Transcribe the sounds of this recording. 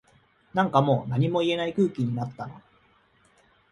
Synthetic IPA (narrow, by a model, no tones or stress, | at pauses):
nãŋkamo̞ːnaɲ̟imo̞ie̞naikɯ̟ːkʲiɲ̟inat̪ːano̞